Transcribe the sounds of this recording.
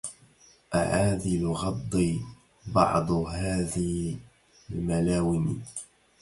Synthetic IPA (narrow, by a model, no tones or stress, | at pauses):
ʔa̰ʕaːðɪlɣɑd̪ˤːiː | bɑ̰ʕd̪ˤɦaːðɪh | almalaːwɪn